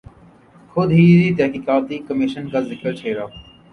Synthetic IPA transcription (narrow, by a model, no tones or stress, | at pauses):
xʊd̪ɦiːɾit̪ɛɦkiːkaːt̪iːkɐmɪʃənkazɪkəɾt͡ʃʰeːɾaː